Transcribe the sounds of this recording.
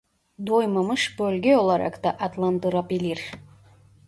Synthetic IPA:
d̪ojməməʃbɵlɡʲeolˠɑɾɑ̰kt̪ɑʔat̪lˠant̪ɨɾɑpilʲir

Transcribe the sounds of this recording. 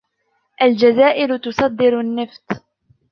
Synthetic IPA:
ʔald͡ʒazaːʔɪlʊt̪ʊsˤɑd̪ːɪɾʊnːɪft̪

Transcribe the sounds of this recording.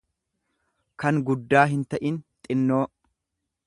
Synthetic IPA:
kɐŋɡʊd̪ːaːɦɪnt̪ɐʔɪnt̪ʼɪnːoː

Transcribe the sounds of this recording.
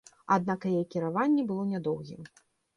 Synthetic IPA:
ad̪̚nakjɛjkʲiɾavanʲːɛbɨlˠɔnʲad̪ɔwɣʲḭm

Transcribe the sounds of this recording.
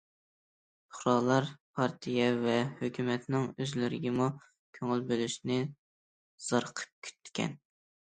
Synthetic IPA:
ʊ̥χɾɑːlˠɑɾpʰɑɾt̪ʰijɛvɛhøkʲymɛt̪nɪŋøzlyɾɪɡʲɛmu | kʲʰøŋylbølyʃnɪ | z̥ɑɾqʰə̥p̚kʲʰy̥t̪ʰːkʲɛ̰n

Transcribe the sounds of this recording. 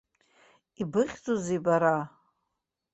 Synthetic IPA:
ibɨχʲt͡sʼozejbaɾa

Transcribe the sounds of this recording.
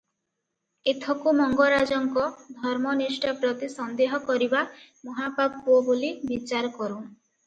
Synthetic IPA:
et̪ʰɔkumɔŋɡɔɾad͡ʒɔŋkɔd̪ʱɔɾmɔnisʈɔpɾɔt̪isɔnd̪eɦɔkɔɾibamɔɦapab̚puɔbolibit͡ʃaɾɔkɔɾu

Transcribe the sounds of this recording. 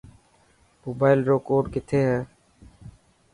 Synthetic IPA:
moːbaːɪlɾoːkoːɖkɪt̪ʰeːɦɛ̃ː

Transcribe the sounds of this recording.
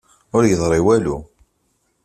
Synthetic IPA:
ʊɾjəðˤɾˤiwælu

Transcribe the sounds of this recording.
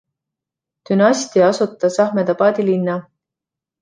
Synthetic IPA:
t̪ynɑsʲt̪iɑsut̪ːˑɑsɑhmet̪ɑpɑːd̪ʲilinːɑ

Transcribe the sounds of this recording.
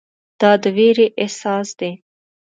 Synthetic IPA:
d̪̥ɑd̪əweɾeʔesɑsd̪e

